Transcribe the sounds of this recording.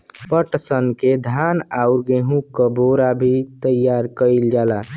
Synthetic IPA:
pəʈsənked̪ʱanauɾɡeɦũkəboɾabʱit̪əjaɾkəild͡ʒaːla

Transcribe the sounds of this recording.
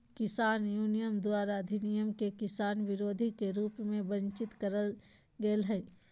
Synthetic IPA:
kɪsaːnjuːnɪjəmd̪waːɾad̪ʱɪnɪjəmkekɪsaːnʋɪɾoːd̪ʱikeɾuːpmẽbə̃nt͡ʃɪt̪kəɾəl | ɡeːlɦɛː

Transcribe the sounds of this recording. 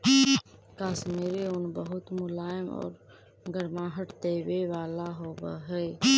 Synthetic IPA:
kaːsmeːɾeʊnbəɦʊt̪mʊlaːɪmɔ̰ːɾ | ɡəɾmãːɦəʈt̪eːweʋaːlaɦoːba̰ɦɛː

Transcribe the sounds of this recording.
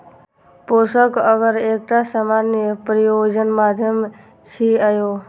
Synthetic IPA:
posəkəɡəɾek̚ʈasamanjəpɾijod͡ʒənmad̪ʱjəm | t͡ʃʰiəjo

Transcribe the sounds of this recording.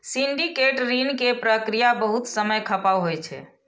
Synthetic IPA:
siɳɖikeʈɾinkepɾəkɾijabəɦut̪səməjkʰəpawɦojt͡ʃʰɛ̰

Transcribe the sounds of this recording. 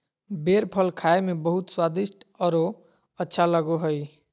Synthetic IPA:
beɾpʰəlkʰaemebəɦut̪swad̪isʈɔɾo | ətːʃʰaləɡoɦəj

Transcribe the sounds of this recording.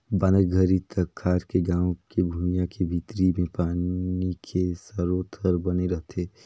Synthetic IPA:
banəkɡʱəɾit̪əkʰːaːɾkeɡãːwkebʱumijãkebʱit̪ɾimẽpaːnikʰesəɾoːt̪ʰəɾbəneɾəɦt̪eː

